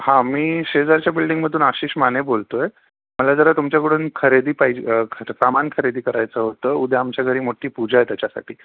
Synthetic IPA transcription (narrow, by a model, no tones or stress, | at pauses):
hãmiːɕed͡zaɾt͡ɕjabilɖiŋɡməd̪ʱuːnaɕiːɕmanebolt̪oe | məlad͡zəɾat̪umt͡ɕjakəɽuːnkʰəɾed̪iːpaikʰəɾpɾamankʰəɾed̪iːkəɾajt͡səɦot̪əːud̪ʱeamt͡ɕjaɡʱəɾiːmoʈʰiːpud͡ʑajt̪jat͡ɕasa̰ʈʰḭː